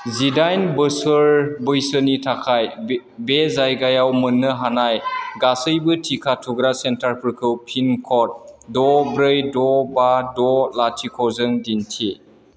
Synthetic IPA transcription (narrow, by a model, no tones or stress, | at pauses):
zidajnbɯsɯɾbɯjsɯnitʰakʰaj | bezajɡajawmɯnːɯɦanajɡasɯjbɯtʰikʰatʰuɡɾasentaɾpʰɯɾkʰɯwpʰinkʰɔt̚dɔbɾɯjdɔbadɔlatʰikʰɔzɯŋdintʰi